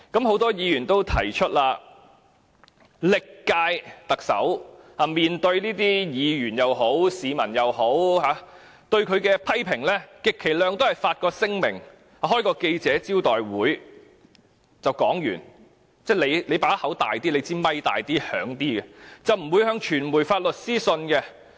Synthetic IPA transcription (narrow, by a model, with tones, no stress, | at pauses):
kɐ˨˥mɦo˨˧˥wt̪ɔː˥jiː˨˧jyː˨˩nt̪o˥wt̪ʰɐ̰˨˩jt͡ʃʰɵ˥t̚laː˧ | lɪ˨kːaː˧jt̪ɐ˨k̚sɐ̰˨˥wha˨˧miː˨nt̪ɵ˧ɥniː˥t̪̬iː˥jiː˨˧jyː˨˩njɐ˨wɦo˨˥wsiː˨˧mɐ˨˩njɐ˨wɦo˨˥whaː˨˥ | t̪ɵ˧ɥkʰɵ˨˧ɥkɛː˧pʰɐ˥jpʰɪ˨˩ŋlɛː˥kɪ˨kʰːe˨˩jlœː˨˧ŋt̪o˥hɐ˨˩jfaː˧t̚kɔː˧sɪ˥ŋmɪ̰˨˩ŋ | ha˨˧ɦɔː˥jkɔː˧ke˧jt͡sɛː˨˥t͡siː˥wt̪ɔː˨jwuː˨˥j | t͡sɐ˨wkɔː˨˥ŋjy̰ː˨˩n | t͡sɛː˥˩le˨˧jle˨˧jpaː˨˥hɐ˨˥wt̪aː˨˩jt̪iː˥le˨˧jt͡siː˥mɐ˥jt̪a̰ː˨jt̪iː˥hœ̰ː˨˥ŋt̪iː˥ɡɛ˧t͡sɐ˨wm̩˨˩wu˨˧jhœː˨˧ŋt͡ʃʰyː˨˩nmuː˨˩jfaː˧t̚lɵ˨t̚siː˥sɵ˧nkɛ˧